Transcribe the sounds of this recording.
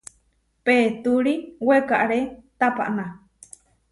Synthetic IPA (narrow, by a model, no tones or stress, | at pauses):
pet̪uɾiwekaʔaɾet̪apa̰ʔna